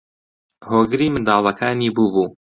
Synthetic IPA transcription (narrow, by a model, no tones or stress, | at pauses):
hoːɡɨɾiːmɨnd̪ɑːlˠɐkʰaːniːbuːbuː